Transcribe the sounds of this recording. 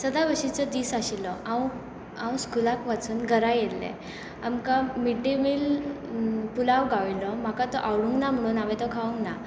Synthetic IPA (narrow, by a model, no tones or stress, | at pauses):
səd̪abəɕit͡sɔd̪iːsaɕilɔʔaw | ãw̃skulakʋat͡suːnɡʱəɾajelːɛ̰ | a̰mkamiʈemil | pulawɡaʋilɔm̤akat̪ɔʔawɽũŋɡnam̤əɽ̃uːnaʋɛt̪ɔkʰaũŋɡna